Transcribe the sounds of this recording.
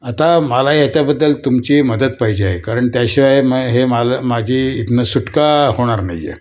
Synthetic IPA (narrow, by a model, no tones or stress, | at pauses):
at̪aməlajat͡ɕjabəd̪ːəlt̪umt͡ɕiːməd̪ət̪̚paɦid͡ʑeaɦekaɾəɳt̪jaɕaaɦeməɡɦemalamad͡ʑʱiːit̪nəsuʈkahoɽ̃aɾna̰jːḛ